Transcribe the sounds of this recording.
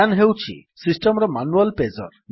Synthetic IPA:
anɦewt͡ʃʰḭsisʈɔmɾɔmanualpezɔ̰ɾn

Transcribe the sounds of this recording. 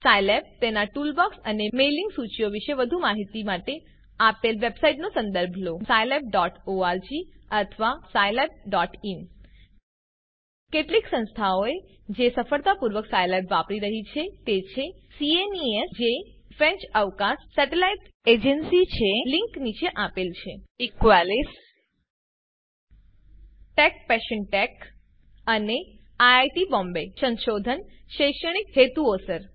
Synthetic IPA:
sajleb̚t̪enaʈulbɔksənemeliŋɡsut͡ʃijoʋiʃeʋəd̪ʱumaɦit̪imaʈe | apelʋebsaiʈnosə̃nd̪əɾbʱlosajlep̚ɖɔʈoaɾd͡ʒiət̪ʰəʋasajleb̚ɖɔʈim | keʈliksə̃nst̪ʰaoe | d͡ʒesəfəɭt̪apuɾʋəksajlebʋapɽiɾəɦit͡ʃʰet̪et͡ʃʰesieniesd͡ʒefɾɛ̃ɲt͡ʃəʋkãsːɛʈelaiʈed͡ʒənsit͡ʃʰeliŋknit͡ʃeʔapelt͡ʃʰeɪkʋalis | ʈɛk̚pɛʃənʈɛk | əne | aajʈibɔ̃mbesənʃod̪ʱənʃeʃəɽ̃ikɦet̪uosəɾ

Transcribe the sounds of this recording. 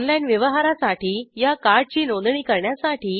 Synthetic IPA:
nlainʋjəʋəɦaɾasaʈiːjakaɾɖ̚t͡ɕiːnõnd̪ɳiːkəɾɳjasaʈʰiː

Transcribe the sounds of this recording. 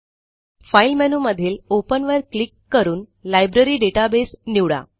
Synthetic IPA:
fajlmɛnuməd̪ʱːiːlopənʋəɾklikːəɾuːnlajbɾəɾiːɖeʈabesniʋɭa̰

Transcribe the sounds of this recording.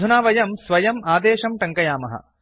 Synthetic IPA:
unaːʋɐjɐmsʋɐjɐmaːd̪eːʃɐmʈɐŋkɐjaːmɐ̰ɦɐ̰

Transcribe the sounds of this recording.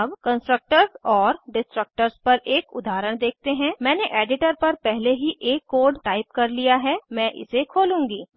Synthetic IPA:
ɐbkə̃nsʈɾək̚ʈəɾsɔːɾɖɪsʈɾək̚ʈəɾspɐɾʔeːkʊ̰d̪aːɾəɽ̃d̪eːk̚ʰt̪eɦɛ̃ːmɛ̃ːneʔeːɖɪʈəɾpɐɾpɛɦleɦiʔeːkːoːɖʈaːɪp̚kɐɾlijaɦɛmɛ̃ːʔɪ̰sekʰoːlũːŋɡiː

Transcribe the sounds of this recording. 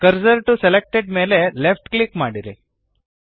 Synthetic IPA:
kəɾzəɾʈuselek̚ʈeɖmeːlelefʈklikmaɽiɾḛ

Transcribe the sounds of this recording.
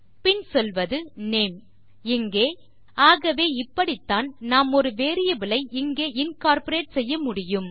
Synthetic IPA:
pɪnsɔlʋɐðɯneːm | ɪŋɡeː | aːɣɐʋeːɪpːɐɽɪt̪ːaːnnaːmɔɾɯʋeːɾɪjɐʋɪlɐɪʔɪŋɡeːʔɪnkaːɾpɐɾeːʈ̚sɛjːɐmʊɽɪjɯm

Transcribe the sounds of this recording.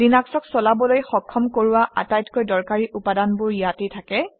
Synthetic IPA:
dinaksɔksɔlabɔlojxɔkʰːɔmkoɹʊwaʔa̰tajtkojdɔɹkaɹiʔupadanbʊɹijatetʰakɛ

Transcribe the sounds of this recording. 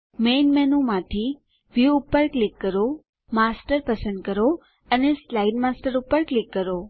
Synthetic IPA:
menmɛnũmãt̪ʰi | ʋjuːpːəɾklikːəɾo | masʈəɾpəsə̃nd̪̚kəɾo | əneslaiɖmasʈəɾupəɾklikːəɾo

